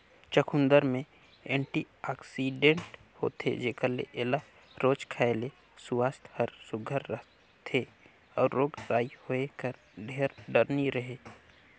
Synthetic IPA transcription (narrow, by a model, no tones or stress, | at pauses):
t͡ʃəkʰund̪əɾmẽ | ẽːɳʈi | aːksiɖẽɳʈho̰ːt̪ʰḛd͡ʒeːkəɾlḛʔela | ɾoːt͡ʃkʰaːele | sʊwaːst̪həɾsʊɡʱəɾːə | t̪ʰe | ɔːɾːoːɡɾaːihoekəɾ | ɖʱeːɾɖəɾniɾəɦe